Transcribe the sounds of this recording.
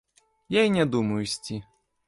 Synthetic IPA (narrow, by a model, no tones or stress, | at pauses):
jainʲɛd̪umɐjʊsʲt͡sʲi